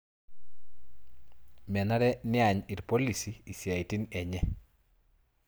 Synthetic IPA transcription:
mɛ˨na˦ɾɛ˦nɪ˦a˨ɲɪ˨ɾpo˦li˨siː˨sja˨i˨ti˦nɛ˨ɲɛ˦

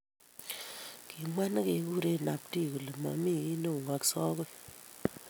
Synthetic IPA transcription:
kʰi˨mwa˦n˦ke˨˦ku˦ɾe˦na˨p̚ti˦ku˨le˨ma̰˨mi˦i˦no˦˨ŋa˦ksɔ˦ɣo˦

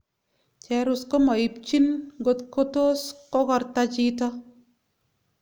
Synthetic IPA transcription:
t͡ʃɛ˨ɾu˦sko˦mɔ˨i˨p̚t͡ʃi˦nɡo˦t̪ko˦to˦skɔ˦kɔ˧ɾtat͡ʃi˦tɔ˦

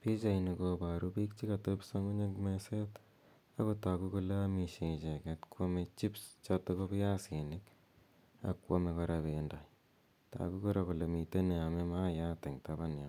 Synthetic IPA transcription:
pi˦t͡ʃa˨jni˨koba˨ɾupi˦kt͡ʃi˦ka˨topso˦ŋo˦ɲe˦kmese˦t | a˦ko˦ta˨ku˦ku˦le˦ami˨ʃe˨t͡ʃe˨kɛtkʰwo˦met͡ʃi˦pst͡ʃatoko˦pja˦si˨nɪ˦k | a̰kwo˦mekɔ˧ɾabe˨nda˨j | ta̰˨ku˦kɔ˦ɾa˨ku˨le˨mi˨te˦ne˨a˨me˦ma˦ja˦te˨ŋta˦ba˦na˨

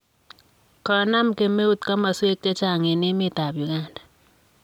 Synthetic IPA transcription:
kɔ˨˦na˦mke˨me˦u˦t̪ka˦ma˨swe˦k̚t͡ʃa˦t͡ʃa˨ŋe˨nɪ˦mɪ˦t̪a˨bju˨ɡa˦˨nda˨

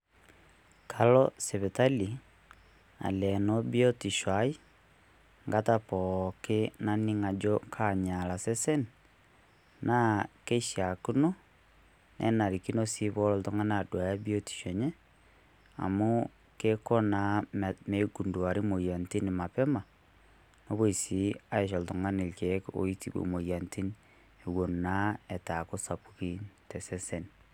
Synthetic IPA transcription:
kʰa˨lɔsɛ˨βɛ˨ta˦li˨ | a̰˨lɛ˨nɔ˦bjɔ˦ti˨ʃwa˨i˦ | ŋɡatapɔ˨ke˦na˦ni˦ŋa˨d͡ʒɔkʰaɲa˨la˨sɛ˦sɛ˦n | na˦ke˦ʃia˨ku˦no˦ | nʔɛ̰˦na˨ɾi˨ki˦no˦si˦βɔ˦lɔ˨tɔ˦ŋa˦na˨dwa˨ja˦bio˦ti̥˨ʃɔ˨ɲɛ˦ | a̰˨mo˦ | ke˦ko˦na˨˦me˨ɡu˨ndu˨a˨ɾi˦mo˨ja˨nti˦ni˨ma˨pe˦ma˨ | no˦βo˦i˨si˨˦a˦e˨ʃ̬o˨lto˨ŋa˦ni˨lke˨ko̰˨i˦ti˦bṵ˨mo˨ja˨nti˦n | e˨wo˨nna˦e˨ta˨ko˦sa˨pu˦ki˦te˨se˦se˦n

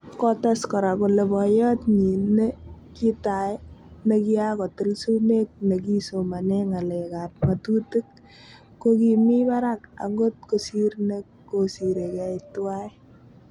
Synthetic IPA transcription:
kɔ˦ta˦skɔ˨ɾa˨ko˨le˨bɔ˨jɔ˦tɲi˨ne˦ki˦ta˨˦ne˨ki˦akɔ˨te˦lsu˦ne˦k̚ne˨k̬i˦so˨ma˨nɛŋa˨lɛ˨ka˨p̚ŋa˨tu˦te˦k̚ː | o˦kimi˦ba˦ɾa˦ka̰˨ŋɡo˦t̚ko˨sirne˦kkosi˨ɾe˨kɛ˦itwa˦j

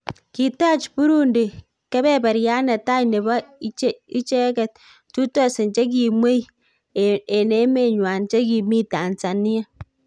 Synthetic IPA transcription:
ki˨ta˦t͡ʃpu˦ɾu˦ndi˨ | kɛ˦bɛ˦ba˨ɾja˦na˨ta˦jne˨ba˦t͡ʃi˦t͡ʃe˦kɛ˨t̚ | tu˦tɔ˦˨sɪ˨nt͡ʃe˦k̬i˨mwe˦j | e˨ne˦me˦˨ɲwa˨nt͡ʃe˦ki˨mi˦ta˨nt͡sa˨ni˦a˦

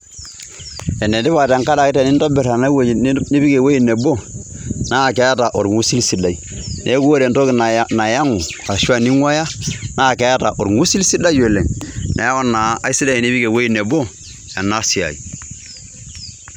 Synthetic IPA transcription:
ɛ˨nde˨ndɪ˦βa˨ta˨ŋka˦da˨kɪ˦tɛ˨nɪ˦ndɔ˦bɛ˨ɾa˨na˦wni˦bi˦ke˨we˦i˦ne˨bo˦na˦˨kɛ˦ta˨ʔo˨ɾŋu˦si˦lsi˨˦da˨i˨nʔe˨˦ko˦ɾe˨nto˦kna˨ja˦ŋu˨a˨ʃwa˨ni˦ŋwa˦ja˦naː˦˨kɛ˨ja˦ta˨ʔo˨ɾŋu˦si˦lsi˦da˦jwe˨le˨ŋnʔḛ˨ja˦ko˦na˨a˨˦i˦si˦da˦i˨ni˦bi˦ke˨we˦i˦˨ne˨bo˦ | e˨na˦si˨a̰˨ḭ˨

